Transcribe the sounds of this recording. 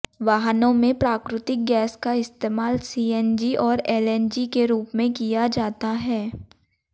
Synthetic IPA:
ʋaːɦnõmẽpɾaːkɾɪt̪ɪk̚ɡɛːskaɪst̪eːmaːlsiːɛ̃nd͡ʒiʔɔːɾɛːlɛnd͡ʒikeɾuːpmẽkijad͡ʒaːt̪aɦɛː

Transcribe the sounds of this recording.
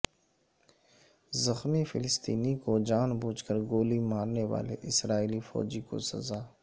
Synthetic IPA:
zɐxmifɪlɪst̪iːnikod͡ʒaːnbuːt͡ʃkəɾɡoːlimaːɾneʋa̰ːlḛʔɪsɾaːiːlifɔ̰ːd͡ʒiko̰sɐ̰zaː

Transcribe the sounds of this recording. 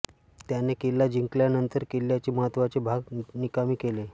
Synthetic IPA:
t̪janekelːad͡ʑiŋkljanənt̪əɾkelːjat͡ɕiːməɦət̪ʋat͡sebʱaɡnikamiːkele

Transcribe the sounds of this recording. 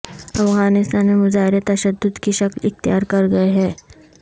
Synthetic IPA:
ɐ̰fɣaːnɪst̪aːnmemʊzaːɦɪɾet̪ɐʃəd̪ːʊd̪kiʃɐklɪxt̪ijaːɾkɐɾɡɐeɦɛː

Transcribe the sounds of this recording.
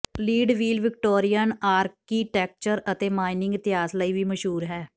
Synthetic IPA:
liːɖʋiːlʋɪkʈoːɾijənaːɾkːiːʈɛːk̚t͡ʃəɾət̪eːmaːɪnɪ̃ŋɡɪt̪ɪɦaːsləiːʋiːməʃɦuːɾɦɛː

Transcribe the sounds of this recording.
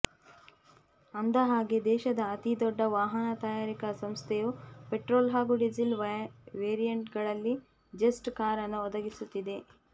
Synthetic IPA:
ɐnd̪ɐɦaːɡed̪ɛːʃɐd̪ɐːt̪id̪ɔɖːɐʋaːɦɐnɐt̪ɐjaːɾikɐsɐmst̪ʰejupeʈɾoːlɦaːɡuɖid͡ʒilʋeːɾijɐɳʈɡɐɭɐlːi | d͡ʒesʈkaːɾɐnɐɔd̪ɐɡisut̪ːid̪e̞

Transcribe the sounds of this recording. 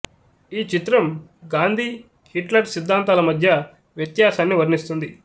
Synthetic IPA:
iːt͡ʃit̪ɾɐmɡaːnd̪ʱi | hiʈlɐɾsid̪ʱːaːnt̪aːlɐmɐd̪ʱjɐ | ʋjɐt̪jaːsaːnːiʋɐɾnist̪und̪i

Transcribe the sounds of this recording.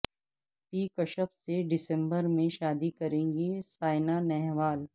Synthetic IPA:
piːkɐʃəfseɖɪsɛ̃mbəɾmẽʃaːd̪ikɐɾẽːŋɡisaːɪnanɛɦʋaːl

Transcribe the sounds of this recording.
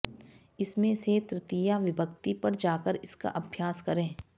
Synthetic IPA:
ɪsmẽset̪ɾɪt̪ijaʋɪbəkt̪ipɐɾd͡ʒaːkəɾɪska̰ʔɐbʱjaːskɐɾẽː

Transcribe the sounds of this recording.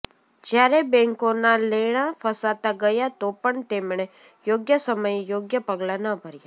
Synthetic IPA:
d͡ʒjaɾebɛ̃ŋkonaleɭ̃ãfʰəsat̪aɡəjat̪opəɳt̪emɳ̃e | joɡjəsəməjjoːɡjəpəɡlanəbʱəɾja

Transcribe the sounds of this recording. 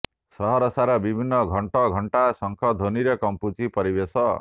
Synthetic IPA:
sɔɦɔɾɔsaɾɔbibʱinːʌɡʱɔɳʈɔɡʱɔɳʈasɔŋkʰɔd̪ʱoniɾekɔmput͡sipɔɾibesɔ

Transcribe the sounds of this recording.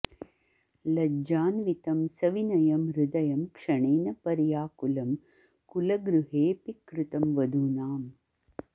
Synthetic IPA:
lɐd͡ʒaːnʋit̪ɐmsɐʋinɐjɐmɾʊd̪ɐjɐmkʂɐɳeːnɐpɐɾjaːkulɐm | kulɐɡɾuɦeːpikɾut̪ɐmʋɐd̪ʱuːnaːm

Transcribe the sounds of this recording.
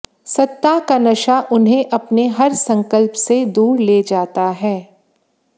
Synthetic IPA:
sɐt̪ːakanɐʃaʔʊnɦẽʔɐpneɦɐɾsɐ̃ŋkəlpsed̪uːɾleːd͡ʒaːt̪aɦɛː

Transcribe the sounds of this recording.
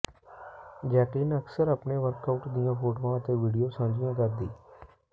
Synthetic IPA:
d͡ʒɛːʈiːnəksəɾaːpneːʋəɾkaʊʈd̪ijãːpʰoːʈoːãːət̪eːʋiːɖijoːsãːnd͡ʒɪjãːkəɾd̪ḭː

